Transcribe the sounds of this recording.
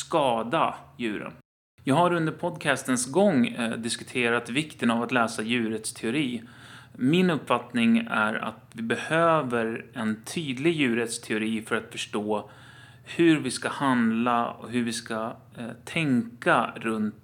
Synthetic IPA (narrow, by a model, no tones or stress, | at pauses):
skɑːd̪ajʉ̟ːɾə̰n | jɑːɡhaɾɵnd̪əɾpʰɔd̪kʰæst̪ənsɡɔŋːd̪ɪskɵ̥t̪ʰeːɾat̪vɪkt̪ənavat̪lɛːsajʉ̟ːɾət̪st̪ʰɛʊɾiː | mɪnɵpːfat̪nɪŋæ̰ɾa̰t̪vɪbɛhøːvəɾɛnt̪ʰyːd̪lɪɡjʉ̟ːɾət̪st̪ʰɛʊɾiːfœɾat̪fœʂʈoː | hɵɾvɪskahand̪laɔ̰ɦɵɾvɪska | t̪ʰɛŋkaɾɵnt̪